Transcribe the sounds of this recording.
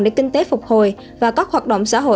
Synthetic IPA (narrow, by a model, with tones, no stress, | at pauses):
ɗḛ˧˩kï˧ŋ̟t̪e˨˦fʊ˨˩k͡p̚ho˨˩j | vaː˨˩kaː˦˥k̚hwaː˨˩t̚ɗə̰˧˨wŋ͡msa̰ː˧˥ɦo̰˧˨